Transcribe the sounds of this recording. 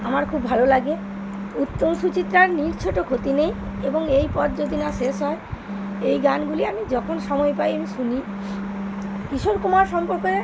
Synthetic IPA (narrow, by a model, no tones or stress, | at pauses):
amaɾkʰubbʱalolaɡe | ut̪ːomʃut͡ɕit̪ːɾaɾniɾt͡ɕʰoʈokʰot̪inejeboŋejpɔt̪̚d͡ʑod̪ʱinaʃeʃɦɔe | ejɡanɡuliamid͡ʑɔkʰonʃɔmɔepajamiʃuni | kiʃoɾkumaɾʃɔmpoɾke